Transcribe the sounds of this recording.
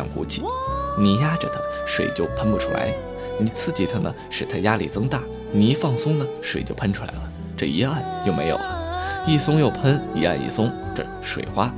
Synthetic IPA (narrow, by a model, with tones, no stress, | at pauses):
ŋkṵ˧˥t͡ɕʰḭ˧˩˦ni˧˩ja˥ʈ͡ʂə̰˧˩t̪ʰə̥˦ʂwe˨˩ɪt͡ɕjo˥˩ʊpʰə˥npu˧˩ʈ͡ʂʰu˥la̰˧˥ɪ | ni˧˩t͡sʰɹ̩˥˩t͡ɕi˧˥˩t̪ʰə˧˩nə̰˩ʂɻ̩˨˩t̪ʰa˥ja˥lḭ˨˩t͡sɤ˥ŋt̪a˥˩ | ni˧˥fɑ˥˩ŋsʊ˥ŋnə˨ʂwe˨˩ɪt͡ɕjo˥˧ʊpʰə˥nʈ͡ʂʰu˥la̰˧˥ɪlə˧ | ʈ͡ʂɤ̰˥˩i˧˥a˥˩nt͡ɕjo˥˩ʊme˧˥ɪjo̰˨˩lə˦i˥˩sʊ˥ŋjo˥˩ʊpʰə˥ni˧˥a̰˥˧nḭ˥˩sʊ˥ŋʈ͡ʂɤ̰˥˧ | ʂwe˨˩ɪxwa˥